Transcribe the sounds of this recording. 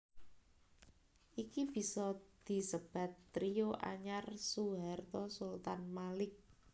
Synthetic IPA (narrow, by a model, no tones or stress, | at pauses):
ʔikib̥i̤sɔd̪̥i̤səb̥a̤t̪ːɾijoʔa̰ɲarsuɦart̪ɔsult̪anmalɪk̚